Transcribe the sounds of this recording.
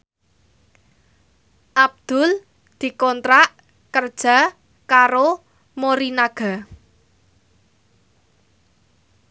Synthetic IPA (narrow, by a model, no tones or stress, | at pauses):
ʔab̚d̪̥ʊl | d̪̥i̤kɔnt̪ɾaʔ | kərd̥ʒ̥a̤ | kaɾo | moɾinaɡ̥a̤